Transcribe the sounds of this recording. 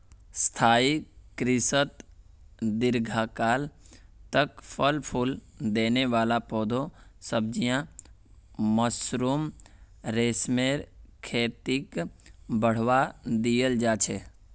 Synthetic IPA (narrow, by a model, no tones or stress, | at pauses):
st̪ʰaːikɾɪsət̪ | d̪ɪɾɡʱaːkaːlt̪əkpʰəlpʰʊld̪eːneʋaːlapɔːd̪ʱõsəb̚d͡ʒijã | məsɾuːm | ɾeːsmeːɾkʰeːt̪ɪkbəɽ̤ʋad̪ijəld͡ʒaːt͡ʃʰeː